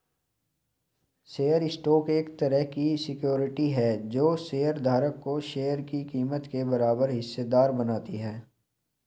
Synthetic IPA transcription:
seːjəɾɪsʈoːkeːkt̪ɐɾəɦkisɪkjoːɾɪʈiɦɛːd͡ʒoːseːjəɾd̪ʱaːɾəkːoʃeːjəɾkikiːmət̪kebɐɾaːbəɾɦɪsːed̪aːɾbɐnaːt̪iɦɛː

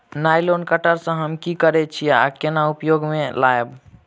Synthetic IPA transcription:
najlonkəʈəɾsə̃ɦəmkikəɾɛt͡ʃʰia̰kenaupjoɡmelaeb

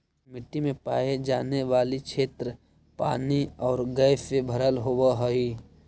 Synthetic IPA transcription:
mɪʈːimẽpaːed͡ʒaːneʋaːlikt͡ʃʰeːt̪ɾə | pa̰ːniɔːɾɡəːfebʱəɾəlɦowaɦəi

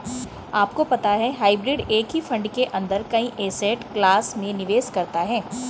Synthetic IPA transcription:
aːpkopɐt̪aɦɛɦaːɪbɾɪɖeːkɦifɐ̃ɳɖkeʔɐ̃nd̪əɾkɐĩʔeːseːʈklaːsmẽnɪʋeːskɐɾt̪aɦɛː

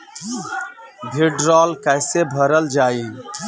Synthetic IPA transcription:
bʱiɖɾɔːlkəɪsebʱəɾəld͡ʒaːi

